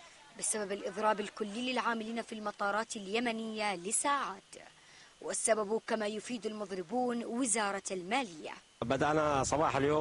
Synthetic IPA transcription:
bɪsababalʔɨðˤɾˤɑːbɪlkʊlːiːlɪlʕaːmɪliːnafilmɑt̪ˤɑːɾˤɑːt̪ɪljamanɪjːalɪsaːʕaːt̪ | wʔɪsːababukamajʊfiːd̪almʊðˤɾɪbuːnwɪzɑːɾˤɑalmaːlɪjːa̰ | bad̪aʔnasˤɑbɑːħaljoː

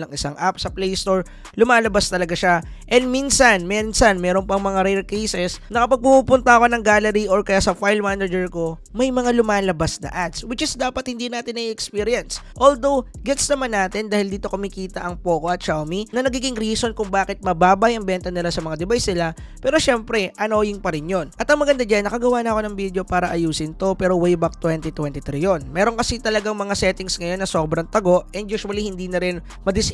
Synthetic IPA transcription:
nɐŋɪsa̰ŋʔapsɐplejst̪o̞ɹ | lʊmaːlɐbast̪ɐlɐɡaʃaʔɛnd̪minsɐnmɛnsɐnmɛːɾo̞npɐŋmɐŋaɾɛjlkɛjsɛsnɐkɐpɐɡ̚pupuːpʊnt̪ɐɐko̞nɐŋɡaːlɛɾiʔoɹkɐjasɐfajlmanɛd͡ʒɛɹko̞mɐjmɐŋalʊmaːlɐbasnɐ̰ʔat̪swɪt͡ʃɪsd̪aːpɐt̪̚hɪnd̪inaːt̪ɪnɐʔiʔɛkspiɾɪjɐnsʔold̪o̞wɡɛt̪snɐmanːaːt̪ɪnd̪aːhɪld̪iːt̪o̞kʊmɪkiːt̪ɐʔɐŋpoːkoʔɐt̪̚t͡ʃawminɐnɐɡiːɡɪŋɾiːso̞nkʊŋbaːkɪt̪̚mɐbaːbɐjʔɐŋbɛnt̪ɐnɪlasɐmɐŋad̪ɛbajsnɪla | pɛːɾo̞ʃɛmpɾɛʔɐno̞ːjɪŋpɐɾɪnjo̞nʔɐt̪ɐŋmɐɡɐnd̪ad͡ʒanːɐkɐɡɐwaːnɐʔko̞nɐŋbid̪jo̞paːɾɐʔɐjuːsɪnt̪o̞pɛːɾowɛjbɐk̚t̪wɛnt̪it̪wɛnt̪it̪ɾijo̞nmɛːɾo̞ŋkɐsit̪ɐlɐɡaŋmɐŋasɛt̪ɪŋsŋɐjo̞nːɐso̞ːbɾɐŋt̪ɐɡo̞ʔɛnd̪juːswɐlihɪnd̪iːnɐɾɪn | mɐd̪ɪs

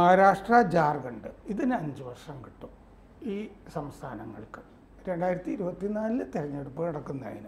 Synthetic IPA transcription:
mɐɦaɾaːʂʈrɐd͡ʑaːrɡɐɳɖɨiðinɐɲd͡ʑɨʋɐrʂɐŋkiʈːu | iːsɐmst̪ʰaːnɐŋːɐ̰ɭkɨ̥ | ɾe̞ɳɖaːjiɾɐt̪ːiːɾubɐt̪ːinaːllɨt̪iɾɐɲːeɽupːoːnɐɽɐkːunːɐa̰ːjḭnɨ

